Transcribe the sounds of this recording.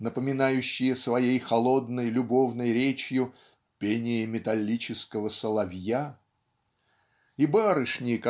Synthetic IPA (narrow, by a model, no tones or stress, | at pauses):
nəpəmʲɪnajʉɕːɪjəsvɐjejxɐlˠo̞d̪nəjlʲʊbo̞vnəjɾʲet͡ɕjʊ | pʲenʲɪjɪmʲɪt̪ɐlʲːit͡ɕɪskəvəsəlˠɐvʲja | ibaɾɨʂnʲɪjək